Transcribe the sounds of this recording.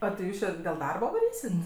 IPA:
oː tʲɪ ˈjuːs t͡ʃʲɪ dʲeːlˠ ˈdɐrbɐ ʋɐˈrʲiːsʲɪt

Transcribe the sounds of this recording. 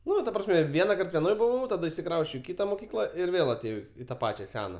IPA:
ˈnʊ tɐ prɐsʲˈmʲɛ ˈʋʲiɛnɐkɐrt ʋʲɛˈnoːj bʊˈʋɐʊ tɐˈdɐ ɪʃʲsʲɪˈkrɐʊsʲt͡ʃʲɛʊ ɪ ˈkʲɪtɐ moːˈkʲiːklˠɐ ɪr ˈʋʲeːlˠ ɐtʲeːˈjɛʊ ɪ tɐ ˈpɑːt͡ʃʲɛ ˈsʲæːnɐ

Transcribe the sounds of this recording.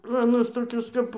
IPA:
ˈplˠoːnoːs toːˈkʲoːs kɐp

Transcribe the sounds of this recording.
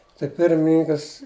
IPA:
tɐɪ ˈpʲɪrʲmʲɪnʲɪŋkɐs

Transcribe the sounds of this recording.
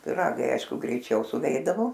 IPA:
pʲɪˈrɑːɡɐɪ ˈɐɪʃkʊ ɡrʲɛɪˈt͡ʃʲɛʊ sʊˈʋʲɛɪdɐʋoː

